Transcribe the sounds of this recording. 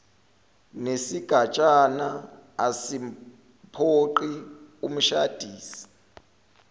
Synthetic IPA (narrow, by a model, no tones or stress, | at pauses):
nesiɡ̥ʱat͡ʃʼanaːsi | pʰoǃium̩ʃad̥ʱiːsi̥